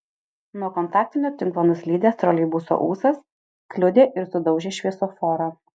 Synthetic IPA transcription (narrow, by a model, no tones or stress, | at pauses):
nuɔkɔnt̪ɑːk̚t̪ʲɪnʲoːt̪ʲɪŋˑklˠoːnɐslʲiːd̪ʲeːst̪ɾɔlʲiɪbuːso̰ʔuːsɐs | klʲʊd̪ʲeːʔɪɾsʊd̪ɒʊʒʲeːʃʲʋʲiɛsoːfɔːɾɐ